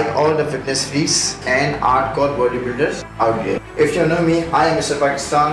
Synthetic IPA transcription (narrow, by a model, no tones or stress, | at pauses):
ɪkɔːld̪əfɪʈnəsɾiːssɛ̃ːɳɖa̰ːɾʈkɔːɾʋəɾɖĩbɪlɖəɾz | aʊʈɡḛ | ɪfjunoːmiaːɪɛ̃mɪsʈəɾpaːkɪst̪ãːn